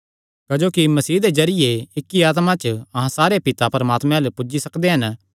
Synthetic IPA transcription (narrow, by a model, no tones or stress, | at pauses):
kɐd͡ʒoːkimɐsiːd̪ezɐɾɪjeɪkːiaːt̪̬mãt͡ʃəɐɦãsaːɾepɪt̪apɐɾɐmaːt̪mẽalepʊd͡ʒisɐkd̪eɦɐn